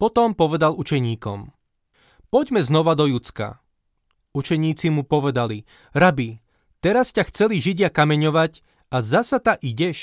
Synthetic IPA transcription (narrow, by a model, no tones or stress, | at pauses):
pɔt̪ɔmpɔʋɛd̪alut͡ʃɛɲiːkɔ̰m | pɔɟmɛznɔʋad̪ɔjut͡ska̰ | ut͡ʃɛɲiːt͡simupɔʋɛd̪ali | ɾabi | t̪ɛɾascaxt͡sɛliʒiɟɪakamɛɲɔʋac | azasat̪aʔiɟɛʃ